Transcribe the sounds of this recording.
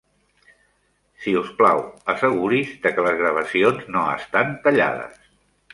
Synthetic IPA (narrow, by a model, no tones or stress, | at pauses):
siuspla̰wəsəɣ̞uɾizðəkələzɣɾəβ̞əsionznoə̰st̪ant̪əʎa̰ðə̰s